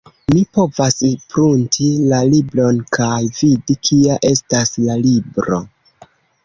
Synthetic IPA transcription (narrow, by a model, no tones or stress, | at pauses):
mipo̞vaspɾuntʰilaliblo̞nkʰajvidikʰiaʔe̞staslalibɾo̞̰